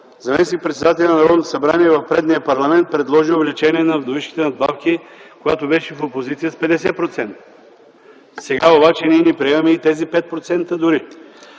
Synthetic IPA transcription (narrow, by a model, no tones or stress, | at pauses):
zɐmɛsik̚pɾɛt̪sɛd̪at̪ɛlʲjnɐnɐɾɔd̪nt̪osɐbɾaniɛvɐfpɾɛd̪nijəpɐɾlˠɐmɛnt̪̚pɾɛd̪lˠɔʒiovlɛt͡ʃɛniɛnɐvd̪oviʃki̥t̪ɛnɐd̪̚bafkʲikoɡat̪obɛʃɛfopozit̪siəspɛd̪ɛsɛpɾot̪sɛnt̪ə | sɛɡaobat͡ʃɛniɛnipɾiɛvɐmɛit̪ɛzipɛt̪̚pɾot̪sɛnt̪əd̪ʊɾi